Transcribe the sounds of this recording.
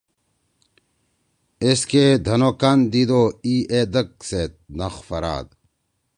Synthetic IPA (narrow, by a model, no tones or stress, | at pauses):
esked̪ʱɐnokand̪id̪oied̪ək̚set̪̚nɐxfɐɾa̰ːd̪̚